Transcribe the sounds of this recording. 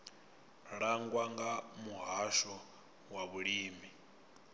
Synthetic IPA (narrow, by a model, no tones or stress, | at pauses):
ɺaŋɡwaŋɡamuɦaʃɔ | waβuɺiːmi